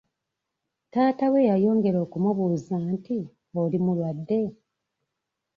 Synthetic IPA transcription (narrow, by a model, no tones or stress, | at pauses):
taːtawe̞jajo̞ːŋɡe̞ɾo̞ːkumuβuzaːnti | olimulwadːe̞